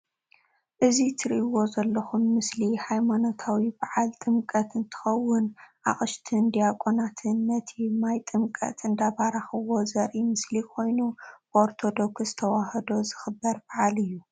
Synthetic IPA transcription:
ʔɨzit̪ʰɨɾiʔiwo̞zɐlːɐxumːɨslihajmanot̪ʰawibaʕalt̪ʼɨmkʼɐt̪ɨnt̪ʰɨ̥xɐwːʊnʔa̰χʼɨʃt̪ʰɨnd̪ijakʼonat̪ʰɨnːɐt̪ʰimajt̪ʼɨmkʼɐ̰t̪ʰɨnd̪abaɾaxɨwo̞zɐɾʔimɨslikʰo̞jnuboɾt̪ʰo̞d̪okszɨt̪ʰɐwahɐd̪o̞zɨxɨbːɐɾbaʕalɨjːu

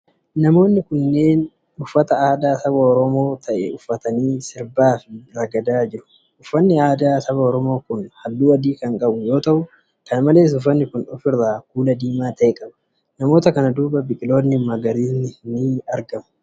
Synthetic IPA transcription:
nɐmo̞ːnːɪkʊnːe̞ːn | ʊfːɐt̪ɐaːd̪aːsɐbɐɔɾɔmo̞ːt̪ʰɐʔɛʊfːɐt̪ɐniːsɪɾbaːfɪɾɐɡɐd̪aːd͡ʒɪɾʊ̥ | ʔʊfːɐnːɪaːd̪aːsɐbɐɔɾɔmo̞ːkʊnhɐlːuːɐd̪iːkɐŋkʼɐbʊjo̞ːt̪ɐʔʊ | kɐnmɐle̞ːs̬ʊfːɐnːɪkʊnʊfɪrːaːkuːlɐd̪iːmaːt̪ɐʔɛkʼɐbɐ̥ | nɐmo̞ːt̪ɐkɐnɐd̪uːbɐbɪkʼɪlo̞ːnːɪmɐɡɐɾiːnːɪhnɪɐɾɡɐmʊ̥

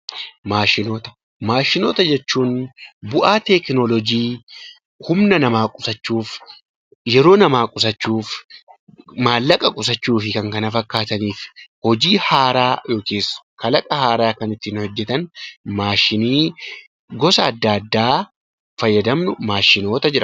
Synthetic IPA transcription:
maːʃɪnoːt̪ɐ̥ | maːʃɪnoːt̪ɐd͡ʒɛt͡ʃːuːnbʊʔaːt̪ɛknɔlɔd͡ʒiː | hʊmnɐnɐmaːkʼʊsɐt͡ʃːuːf | jɛɾo̞ːnɐmaːkʼʊs̬ɐt͡ʃːuːf | maːlːɐkʼɐkʼʊs̬ɐt͡ʃːuːfɪkɐŋkɐnɐfɐkːaːt̪ɐniːfhɔd͡ʒiːhaːɾaːjo̞ːkeːsːkʰɐlɐkʼɐhaːɾaːkɐnɪt̪ːɪnhɔd͡ʒːɛt̪ɐnmaːʃɪniː | ɡɔsɐːd̪ːaɐd̪ːaː | fɐjːɐd̪ɐmnʊmaːʃɪno̞ːt̪ɐd͡ʒɪɾʔɐ

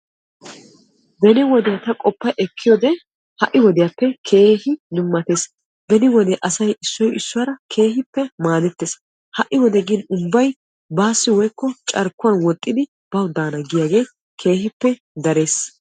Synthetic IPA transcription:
bɛnɪwɔd̪ɪjat̪ɐkʼɔpːɐʔɛkʰːɪjɔːd̪ɛ | hɐʔːɪwɔd̪ɪjapːɛkʰe̞ːhɪnʊmːɐt̪e̞ːs | bɛnɪwɔd̪ɛʔɐsɐjɪsːɔjɪsːʊwɐɾɐkʰe̞ːɦɪpːɛmaːd̪ɛt̪ːeːs | hɐʔːɪwɔd̪ɛɡɪnʊbːɐj | baːsːɪwɔjkːɔt͡ʃʼɐɾkːʊwɐnwɔt̪ʼːɪd̪ɪ | b̥ɐwd̪aːnɐɡɪjaːɡe̞ː | kʰe̞ːhɪpːɛ | d̪ɐɾe̞ːs

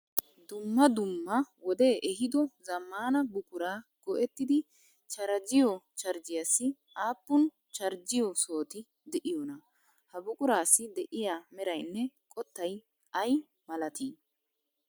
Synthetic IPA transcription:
d̪ʊmːɐd̪ʊmːɐwɔd̪e̞ːʔɛɦɪd̪ɔzɐmːaːnɐbʊkʼʊɾaːɡ̥ɔʔɛt̪ːɪd̪ɪ | t͡ʃɐɾɐd͡ʒɪjɔt͡ʃɐɾd͡ʒɪjasːɪ | aːpːʊn | t͡ʃɐɾd͡ʒɪjɔso̞ːt̪ɪ | d̪ɛʔɪjɔnɐ | hɐbʊkʼʊɾaːsːɪd̪ɛʔɪjaːmɛɾɐjnːɛkʼɔt̪ːɐj | ɐj | mɐlɐt̪iː

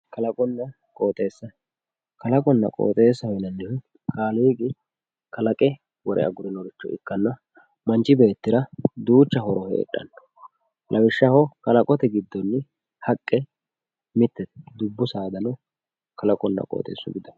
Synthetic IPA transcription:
kɐlɐkʼɔnːɐ | kʼo̞ːt̪ʼe̞ːsːɐ | kɐlɐkʼɔnːɐ̰kʼo̰ːt̪ʼe̞ːsːɐhɔnɐnːɪh | kʰaːliːɡʼɪ | kɐlɐkʼɛ | wɔɾʔɛ̰ʔɐ̰ɡʊɾɪnɔɾɪt͡ʃːɔ̰ʔɪ̰kːɐnːɐ | mɐnt͡ʃːɪbe̞ːt̪ːɪɾɐd̪uːt͡ʃːɐhɔɾɔhḛːᶑʼːɐ̰nːɔ̥ | lʔɐwɪʃːɐhɔkɐlɐkʼɔt̪ɛɡɪd̪ːɔnːɪ | hɐkʼːɛ | mɪt̪ːɛt̪d̪ʊbːʊsaːd̪ɐnɔ | kɐlɐkʼɔnːɐ̰kʼo̰ːt̪ʼḛːsːʊɡɪd̪ɐn

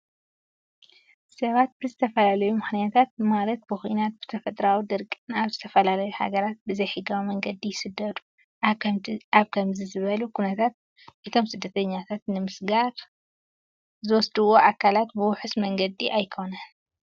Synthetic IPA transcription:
sɐβat̪̚bɨzɨt̪ʰɐfɐlalɐjumɨxnijat̪ʰat̪̚malɐt̪̚bɨxuinat̪̚b̥ɨ̥t̪ʰɐfɐt̪ʼɾawid̪ɨɾkʼɨnaβzɨt̪ʰɐfɐlalɐjuha̰ɡɐɾat̪̚bɨzɐjħɨɡawimɐŋɡɐd̪ijɪsɨd̪ːɐd̪u̥ | aβkʰɐmzizɨβɐlukʰunɐt̪ʰat̪̚ | ʔɨt̪ʰo̞msɨd̪ːɐt̪ʰɐɲːat̪ʰat̪nɨmɨsɡaɾ | zɨwɔsd̪ɨwo̞ʔakʰːalat̪bɨwʊħɨsmɐŋɡɐd̪iʔajkʰo̞nɐn

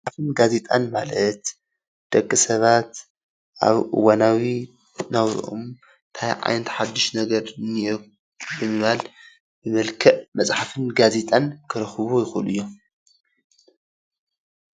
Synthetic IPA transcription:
ħafɨnɡaze̞t̪ʼanmalɐt̪ | d̪̥ɐkʼːɨsɐβat̪ | ʔa̰βʔɨ̰wanawi | nawɾ̰ʔo̰m | nt̪ʰajʕa̰jnt̪ʰħad̪ːɨʃnɐɡɐɾnio | bɨmɨβal | bɨmɐlkʰɐʔmɐt͡sʼħafɨnɡaze̞t̪ʼankʰɨɾɨxβojɪxulɨjːo̞

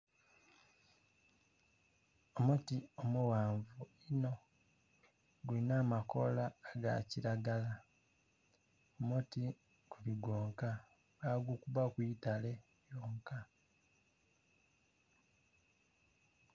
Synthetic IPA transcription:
omotiomuwaːɱvuino̞ | ɡulinaːmako̞laːɡa̰ciɾaɡala | omoti | kuliɡoːŋka | βaɡukuβakwitale̞ | joːŋka

